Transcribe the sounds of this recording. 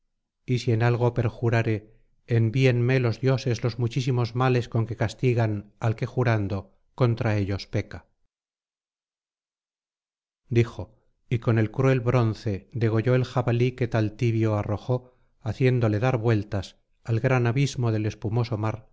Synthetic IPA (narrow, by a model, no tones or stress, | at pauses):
isie̞nalɣ̞o̞pe̞ɾxuɾaɾe̞ː | mbienme̞lo̞zðjo̞se̞zlo̞zmut͡ʃisimo̞zmale̞sko̞ŋke̞kast̪iɣanalke̞xuɾand̪o̞ | ko̞nt̪ɾae̞ʎo̞spe̞ka | d̪ixo̞ | iko̞ne̞lkɾue̞lβɾo̞nθe̞d̪e̞ɣ̞o̞ʝo̞elxaβalike̞t̪alt̪iβjo̞aro̞xo̞ | aθje̞nd̪o̞le̞ðaɾβwe̞lt̪as | alɣɾanaβizmo̞ðe̞le̞spumo̞so̞maɾ